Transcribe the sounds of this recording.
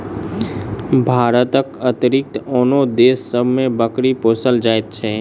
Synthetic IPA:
bʱaːɾət̪əkət̪ɾɪk̚t̪oːnod̪eːsːəbʱmẽbəkɾipoːsəld͡ʒaːet̪̚t͡ʃʰɛ

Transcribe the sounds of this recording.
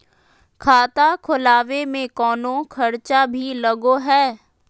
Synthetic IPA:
kʰaːt̪akʰʊlaːʋemẽkɔːnõkʰɐɾt͡ʃabʱilɐɡoɦɛː

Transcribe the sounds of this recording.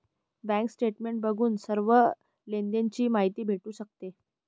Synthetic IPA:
bæ̃ŋksʈeʈmeɳʈ̚bəɡʱuːnsəɾʋə | lend̪ent͡ɕiːmaɦit̪iːbʱeʈuːɕək̚t̪e

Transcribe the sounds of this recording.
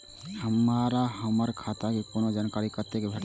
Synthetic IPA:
həmaːɾaɦəməɾkʰaːt̪akekonod͡ʒankaːɾikəɾt̪ekebʱeʈ

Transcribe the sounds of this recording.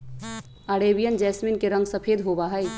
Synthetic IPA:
aːɽeːbijənd͡ʒɛːsmɪnkeɾɐ̃ŋɡsɐpʰeːd̪ɦoːbaːɦəi

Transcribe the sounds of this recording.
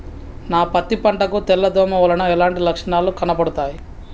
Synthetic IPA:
naːpɐt̪ːipɐɳʈɐkut̪ɛlːɐd̪ɔːmɐʋɐlɐnɐɛlaːɳʈilɐkʂɐɳaːlukɐnɐpɐɽut̪aːji

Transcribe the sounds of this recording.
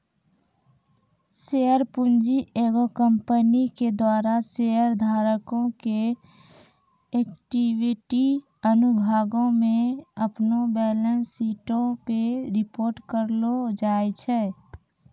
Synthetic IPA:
sejəɾpund͡ʒieɡokəmpəniked̪waːɾaseəɾd̪ʱaːɾəkõke | ekʈiwiʈi | ənubʱaːɡõmẽəpnobɛːlənsːiːʈõpeɾɪpoːɾʈkəɾlod͡ʒaːet͡ʃʰɛː

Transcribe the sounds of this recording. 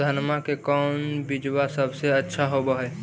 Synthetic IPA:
ənmakekɔːnbid͡ʒwasəbseətːʃʰaɦobəɦɛ

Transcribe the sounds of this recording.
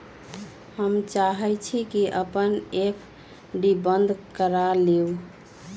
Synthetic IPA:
həmt͡ʃaɦɛt͡ʃʰikiʔəpənepʰ | ɖibənd̪ʱkəɾaleu

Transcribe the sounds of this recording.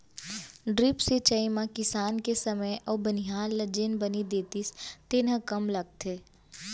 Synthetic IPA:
ɖɾɪpset͡ʃɐimãkɪsaːnkesɐməjʔɔːbənijaːlːɐd͡ʒenbɐnid̪eːt̪ist̪enə̃kɐmlɐɡ̚t̪ʰeː

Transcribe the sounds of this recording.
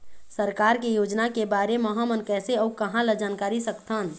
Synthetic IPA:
səɾkaːɾkejoːd͡ʒnakebaːɾeməɦamənkɛːseəukəɦãləd͡ʒaːnkaːɾisəkt̪ʰən

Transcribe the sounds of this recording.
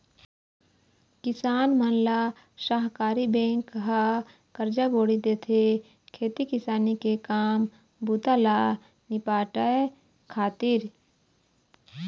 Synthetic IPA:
kɪsaːnmənla | ʃaːɦkaːɾibẽːŋkːɦa | kəɾd͡ʒaboːɽid̪eːt̪ʰe | kʰeːt̪ikɪsaːnikekaːm | but̪ala | nɪpaːʈə | kʰaːt̪ɪɾ

